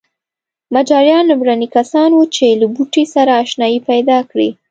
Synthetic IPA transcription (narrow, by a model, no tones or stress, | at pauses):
mad͡ʒɑɾjɑnːʊmɾanikasɑnwut͡ʃelabuʈesaɾaːʃnɑjipajd̪ɑkɽḭ